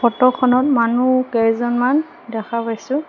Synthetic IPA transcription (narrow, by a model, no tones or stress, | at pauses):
ɔtɔkʰɔnɔt̚manukɛzɔnman | dɛkʰapajsʊ̃